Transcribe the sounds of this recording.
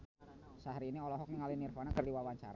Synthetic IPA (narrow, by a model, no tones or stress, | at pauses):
saɦɾiːniɔlɔɦɔk̚niŋalinirfanakərdiwawaɲt͡ʃa̰ɾa